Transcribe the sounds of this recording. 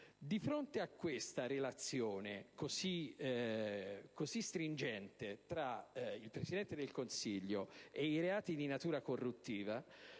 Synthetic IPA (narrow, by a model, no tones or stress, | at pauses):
d̪ifɾont̪eakːwest̪aɾelat̪sːjoːnekosi | kozist̪ɾind͡ʒɛnt̪et̪ɾailpɾesid̪ɛnt̪ed̪elkonsiʎːoeiɾeaːt̪id̪inat̪uːɾakorːut̪ːiːva